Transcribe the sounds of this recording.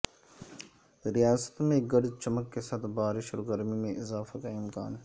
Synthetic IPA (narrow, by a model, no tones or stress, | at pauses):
ɾijaːsə̥t̪mẽɡɐɽt͡ʃɐməkːesɐt̪ʰbaːɾɪʃɔɡəɾmimẽɪzaːfakaɪmkaːn